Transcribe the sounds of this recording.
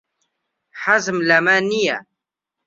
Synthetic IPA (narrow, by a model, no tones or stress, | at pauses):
ħazmlæmanija̰